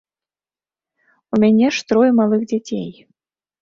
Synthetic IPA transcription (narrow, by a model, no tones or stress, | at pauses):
umʲanʲɛʂt̪ɾɔjmalˠɨxd͡zʲat͡sʲḛj